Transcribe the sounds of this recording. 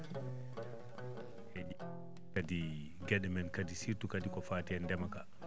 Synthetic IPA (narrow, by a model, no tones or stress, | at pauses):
hɛd͡ʒ | kadi | ɡɛɗɛmɛnkadisitukadikɔfaːtɛɛndɛmaka